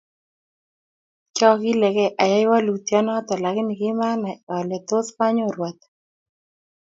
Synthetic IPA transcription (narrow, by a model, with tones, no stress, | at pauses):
t͡ʃɔ˦ɡɪ˦lɛ˨ɣɛ˦ʔa˨ja˦jwa˦lu˨t̪jɔ˦nɔ˦t̪ɔ˨la˨ɣɪ˦ni˨ɡɪ˦ma˦na˨ɔ˨lɛ˨t̪o˦spa˦ɲo˦ɾwa˨t̪